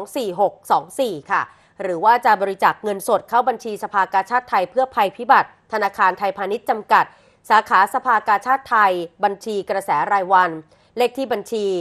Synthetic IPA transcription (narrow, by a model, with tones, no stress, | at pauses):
ŋsiː˨˩ɦo˨˩k̚sɔː˩˦ŋsiː˨˩kʰa˥˩ | ɾɯː˩˦waː˥˩t͡ɕa˨˩bɔː˧ɾi˧˥t͡ɕaː˨˩k̚ŋɤ˧nso˨˩t̪̚kʰa˥˩wba˧nt͡ɕʰiː˧sa˧pʰaː˧kaː˧nt͡ɕʰaː˥˩t̪ʰːa˧jpʰɯ˥˩ɐpʰa˧jpʰi˦˥ba˨˩t̪̚ʰːa˧naː˧kʰaː˧nt̪ʰa˧jpʰaː˧ni˦˥t̪̚t͡ɕa˧mka˨˩t̪̚ | saː˩˦kʰaː˩˦sa˧pʰaː˧kaː˧nt͡ɕʰaː˥˩t̪ʰːa˧jba˧nt͡ɕʰiː˧kɾa˧sɛː˩˦ɾaː˧jwa˧n | le˦˥˩k̚t̪ʰiː˥˩ba˧nt͡ɕʰiː˧